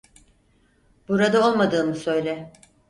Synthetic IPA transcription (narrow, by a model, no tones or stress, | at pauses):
buɾad̪ao̞lˠmad̪ɯːmɯsø̞jlʲɛ